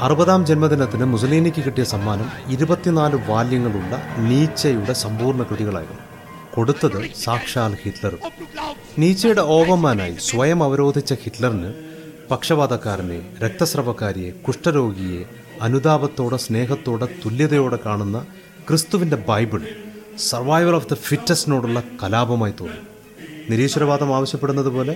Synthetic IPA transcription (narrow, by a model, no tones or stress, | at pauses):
ɐrɨbɐðaːmd͡ʑenmɐd̪inɐt̪ːinɨmusɐliːnikʲːɨkiʈːijɐsɐmːaːnɐmiɾubɐt̪ːinaːluʋaːljɐŋːɐɭuɭːɐ̰niːt͡ɕːɐjuɽe̞sɐmpuːrɳɐkrɨðiɣɐɭa̰ːjṵnu | ko̞ɽut̪ːɐðɨsaːkʂaːlhiʈlɐr | niːt͡ɕːɐjuɽe̞o̞ːpɐmːaːnaːjḭsʋɐjɐmɐʋɐɾo̞ːd̪ʱit͡ɕːɐhiʈlɐrinɨ | pɐkʂɐbaːd̪ɐkːaːɾɐnḛɾek̚t̪ɐsrɐʋɐkːaːɾijekuʂʈɐɾo̞ːɡije̞ | ɐnud̪aːbɐt̪ːo̞ːɽe̞sne̞ːɦɐt̪ːo̞ːɽe̞t̪ulːjɐðɐjo̞ːɽe̞kaːɳunːɐ | krɨst̪uʋinde̞bɐjbiɭ | sɐrʋaːjʋɐlɐfd̪ɐfitnɐsino̞ːɽuɭːɐkɐlaːbɐmaːjit̪oːnːu | niɾiːɕɐɾɐbaːd̪ɐmaːʋɐɕjɐpːeɽunːɐðɨpo̞ːle̞